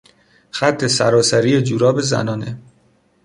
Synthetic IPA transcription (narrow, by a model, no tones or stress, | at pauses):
xæt̪ʰːe̞sæɾɒːsæɾiːed͡ʒuɾɒːbezæ̰nɒːne